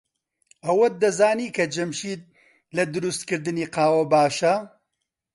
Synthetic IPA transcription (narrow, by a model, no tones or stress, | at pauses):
ɐwɐd̪ɐzaːniːkʰɐd͡ʒɐmʃiːd̪̚ | lɐd̪ʊɾust̪kɨɾd̪ɨniːqaːwɐbaːʃɐ